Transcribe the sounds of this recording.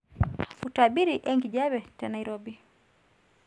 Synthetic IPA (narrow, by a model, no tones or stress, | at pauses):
utaɓiɾiʔɛŋɡiʄaβɛtanaiɾɔbi